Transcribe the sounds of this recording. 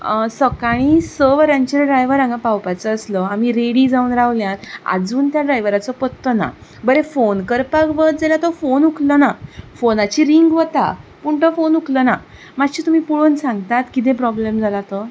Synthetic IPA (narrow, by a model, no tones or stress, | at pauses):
səkaɽ̃iːsəʋɾãɲt͡ɕeɾɖɾajʋəɾãŋɡãpawpajt͡səːsləam̤iɾeɽid͡zauːnɾaʋljãt̪a̰d͡zuːnt̪jaɖɾajʋəɾat͡sɔpət̪ːəna̰bəɾefonkəɾpakʋət̪̚d͡zelat̪ɔfonukʰlənafonat͡ɕiɾiŋɡʋət̪a̰puɳt̪əfonukʰləna | matɕiːt̪um̤iːpuɭonsãŋɡt̪at̪kit̪ẽpɾɔblemd͡zʱalat̪ə